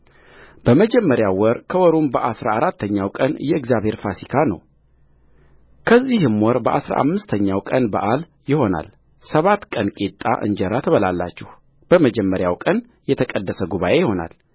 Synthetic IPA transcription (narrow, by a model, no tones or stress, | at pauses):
b̥əməd͡ʒɛmːəɾjawɔɾkʰəwɔɾumbəʔasɾaaɾat̪ʰːəɲːawkʼənjɛɨɡzjaβhe̞ɾfasikʰanə̰w | kʰəzːihɨmːwɔɾbəʔa̰sɾa̰ʔa̰mːɨst̪ʰəɲːawkʼənbəʔal | jɪho̞na̰l | səβat̪kʼənkʼet̪ʼːa̰ʔɨ̰nd͡ʒɛɾat̪ʰəβəlalːa̰t͡ʃːɪh | b̥əməd͡ʒɛmːəɾjawkʼən | jɛt̪ʰəkʼəd̪ːəsəɡuβaʔe̞jɪho̞na̰l